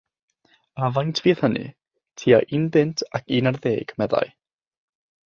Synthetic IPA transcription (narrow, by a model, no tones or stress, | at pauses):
avantʰv̥iːθhənɨ̰ | tʰiːaʔiːnbɪntʰakiːnarðeːɡ̥mɛða̰j